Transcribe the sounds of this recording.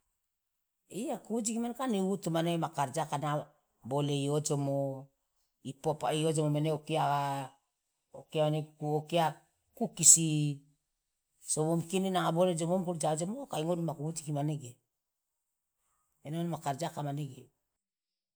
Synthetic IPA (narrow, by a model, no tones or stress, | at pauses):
iakuud͡ʒikimanekaniutumaneɡemakaɾd͡ʒakana | boleiod͡ʒomo | ipopa̰iod͡ʒomomeneokiaɡa | okeamenekuokea | kukisi | soβomkininaaboled͡ʒomomkuld͡ʒad͡ʒomokajŋodimakuɡud͡ʒikimaneɡe | enoanmakaɾd͡ʒakamaneɡe